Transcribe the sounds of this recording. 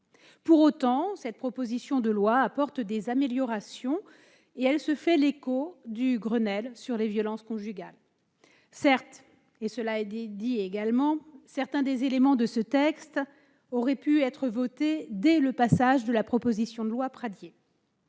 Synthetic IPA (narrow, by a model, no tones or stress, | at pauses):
puʁot̪ɑ̃sɛt̪̚pχɔpozisjɔ̃d̪əlwaːpɔʁt̪d̪ezameljɔʁasjɔ̃ | eɛlsəfɛlekod̪yɡʁənɛlsyʁlevjɔlɑ̃skɔ̃ʒyɡal | sɛʁt̪ | esəlaɛd̪d̪ieɡalmɑ̃sɛʁt̪ɛ̃d̪ezelemɑ̃d̪əsət̪ɛkst̪ | ɔʁɛpyɛt̪χəvɔt̪ed̪ɛləpasaʒd̪əlapχɔpozisjɔ̃d̪əlwapχad̪je